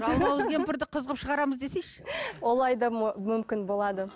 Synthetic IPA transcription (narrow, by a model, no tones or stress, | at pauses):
ʒɑlˠmɑwɪzɡʲempɪɾd̪ɪqʰəzəʁəpʃəʁɑɾɑməzd̪e̞se̞jʃwo̞lˠɑjd̪ɑmʏmkʲɪnbo̞lˠɑd̪ə